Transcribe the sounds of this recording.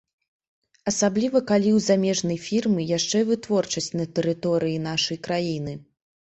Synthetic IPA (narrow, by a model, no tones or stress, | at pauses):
ɐsablʲivɐkalʲiwzamʲɛʐnɐjfʲirmɨjaʂt͡ʂɛvɨt̪vɔrt͡ʂɐsʲt͡sʲnɐt̪ɛɾɨt̪ɔɾɨjinaʂɐjkɾajinɨ